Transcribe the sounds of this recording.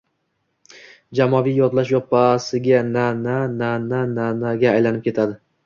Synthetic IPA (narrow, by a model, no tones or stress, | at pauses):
d͡ʒamɒvijjɒt̪laʃjɒpasɪɡʲananananananaɡʲaːjlanɪp̚kʲʰe̞t̪ʰad̪ɪ